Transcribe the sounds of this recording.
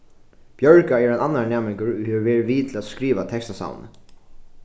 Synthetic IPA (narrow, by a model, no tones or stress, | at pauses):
b̥jœɹkaɛɾɛnanːanɛːmɪŋkəɹʊhɛːɪʋɛːɹɪʋiːt̪ʰɪlad̪skɾiːʋat̪ʰɛkst̪asa̰wnə̰